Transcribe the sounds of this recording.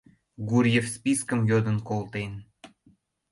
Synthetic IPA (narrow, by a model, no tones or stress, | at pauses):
ɡuɾjefspiskəmjod̪ənkolt̪en